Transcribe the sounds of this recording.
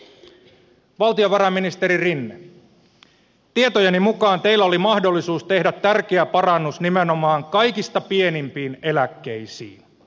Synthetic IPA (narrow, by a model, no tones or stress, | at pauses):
ʋɑlt̪io̞ʋɑɾɑmːinist̪e̞ɾirinːe | t̪ie̞t̪ojɑnimukɑːnt̪e̞ilːæolimɑhdo̞lːisuːst̪e̞hdæt̪ːærk̟eæpɑrɑnːusnimeno̞mɑːŋkɑjkist̪ɑpie̞nimpiːne̞lækːe̞jsḭːn